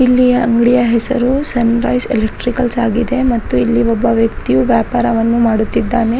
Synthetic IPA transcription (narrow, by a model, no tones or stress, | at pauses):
ilːijɐɐŋɡɽijɐɦɛsɐɾusɐnɾɐjselek̚ʈɾikɐlsaːɡid̪e̞mɐt̪ːuilːiɔbːɐʋjɐk̚t̪ijuʋjaːpaːɾɐʋɐnːumaːɽut̪ːid̪ːaːne̞